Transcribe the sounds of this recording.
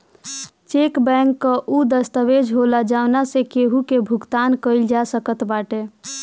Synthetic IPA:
t͡ʃekbɛŋkːəʔud̪əst̪əʋed͡ʒʱɦolad͡ʒaʊnasekeɦukebʱuɡt̪ankəɪld͡ʒasəkət̪baʈe

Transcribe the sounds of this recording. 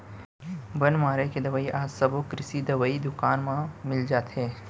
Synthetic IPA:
bɐnmaːɾeked̪ɐʋaːiʔaːd͡ʒsɐbokɾɪsid̪ɐʋaːid̪ʊkaːnmãmɪld͡ʒaːt̪ɦɛ̃ː

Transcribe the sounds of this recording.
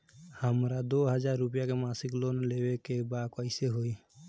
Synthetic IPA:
həmɾad̪oɦəd͡ʒaɾːup̬ijakemasiklonlebekebakɔjseɦoj

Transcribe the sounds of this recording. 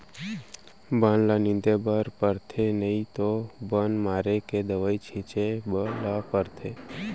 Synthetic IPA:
bənlanɪ̃nd̪ebəɾpəɾt̪ʰenəit̪obənmaːɾeked̪əʋaːit͡ʃʰĩt͡ʃeblapəɾt̪ʰe

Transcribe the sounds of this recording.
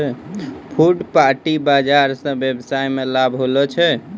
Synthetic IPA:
pʰuɖpaɾʈibad͡ʒaɾsə̃bjebsajmelabʱɦolɔt͡ʃʰɛ

